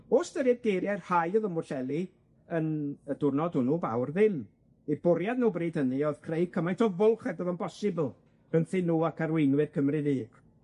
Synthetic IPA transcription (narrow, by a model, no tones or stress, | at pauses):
oːsdəɾɪdɡejɾjarhajɔðəmʊɬɛlˠi | ənədʊrnɔdʊnuːba̰wrðɪn | ib̥ʊɾjadnuːbriːdəniɔð̥kʰrej̚kʰəmajntʰɔvʊlˠχɛdɔðɔmpʰɔsɨbəlˠ | ɡ̥ənθɪnuːakʰaɾwɪnwɨrkʰəmrɨðiːɡ̥